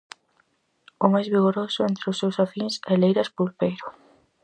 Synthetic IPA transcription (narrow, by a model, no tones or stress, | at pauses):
ʊmajzβiɣoɾosʊent̪ɾɪʊsːewsafiŋsɛlejɾɐspulpejɾʊ